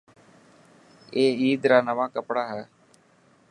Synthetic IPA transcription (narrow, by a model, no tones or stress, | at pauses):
eːiːd̪ɾaːnəʋaːkəpɽaːɦɛː